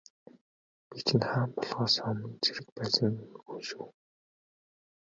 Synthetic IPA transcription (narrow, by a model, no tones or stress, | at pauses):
pit͡ɕʰɪ̆nχaːmpɔɮʁɔːsɔmə̆nt͡sʰiɾɘ̆k̚pæːsə̆nxunʃuː